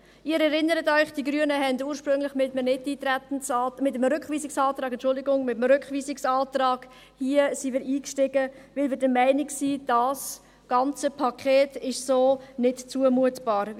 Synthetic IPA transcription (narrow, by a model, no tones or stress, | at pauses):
ɪːɾɛɾɪnːəɾətɔʏχd̥iɡɾyənəɦɛnduːɾʃpɾʏŋlɪχmɪtmənɪtːiːtɾɛtn̩sɑmɪtəmɾʏkχʋiːsɪksɑːtɾɑːɡɛntt͡ʃʃʊlˠdɪɡʊŋmɪtəmɾʏkχʋiːsɪksɑːtrɑːɡ̥ | hiəsimɪːɾiːkʃtɪɡəvɪlvɪːɾdəmɛɪnɪksiːd̥ɑs | ɡ̥ɑnt͡səpʰɑkʰχɛːtɪʃsoːnɪtt͡suəmuətb̥ɑːɾ